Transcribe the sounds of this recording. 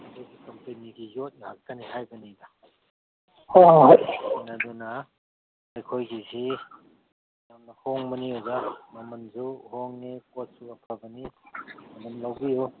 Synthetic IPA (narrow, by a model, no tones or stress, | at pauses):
akʰojɡikɐmpeniɡijot̚niha̰k̚tʰaniɦajbɐnida | oɦjnɐduna | ajkʰojɡisi | jamnɐhoŋbɐniuzamɐmɐnzuɦoŋnikot̚suɐpʰɐbɐnimɐmɐnlawbiju